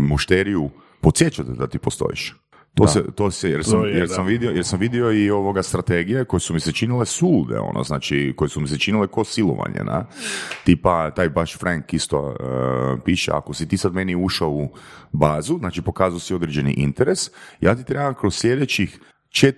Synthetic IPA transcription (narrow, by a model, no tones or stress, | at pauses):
muʃt̪eɾiju | pot̪sjet͡ʃat̪d̪at̪ipo̞st̪o̞̰ḭʃ | t̪osḛt̪oːsejeɾsamjeɾsamʋid̪iojeɾsamʋid̪io̞io̞ʋo̞ɡast̪ɾat̪eɡijeko̞jesumiset͡ʃinilesulˠd̪ḛo̰no̰znaːt͡ʃikojesumiset͡ʃinilekosilˠo̰ʋa̰ɲḛna̰t̪iːpat̪aːjbaʃfɾaŋkist̪o̰əpiʃḛa̰kosit̪iːsad̪meniuʃaoubaːzuznaːt͡ʃipo̞kaːzaosio̞d̪ɾed͡ʒenḭʔḭnt̪eɾesjʔaːt̪it̪ɾebamkɾosslʲe̞d̪et͡ʃix | t͡ʃet̪